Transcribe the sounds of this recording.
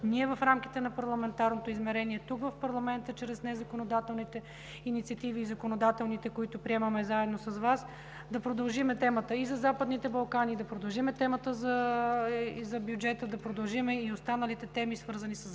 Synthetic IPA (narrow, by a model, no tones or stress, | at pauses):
niɛvɐfɾamk̟i̥t̪ɛnɐpɐɾlˠɐmɛnt̪aɾnot̪oizmɛɾɛniɛt̪ukvɐfpɐɾlˠɐmɛnt̪ət͡ʃɾɛsnɛzɐkonod̪at̪ɛlˠnit̪ɛ | init̪siɐt̪iviːzɐkonod̪at̪ɛlˠnit̪ɛkoit̪ʊpɾiɛmɐmɛzaɛd̪nosɐzvas | d̪ɐpɾod̪ɐlˠʒimɛt̪ɛmət̪əizɐzapəd̪nit̪ɛbɐlˠkanid̪ɐpɾod̪ɐlˠʒimɛt̪ɛmət̪əzɐ | zɐbjud͡ʒɛt̪əd̪ɐpɾod̪ɐlˠʒimɛiost̪anəlit̪ɛt̪ɛmisvɤɾzɐnisəs